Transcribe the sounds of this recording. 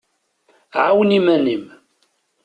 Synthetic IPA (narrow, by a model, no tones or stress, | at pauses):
ʕawnimænim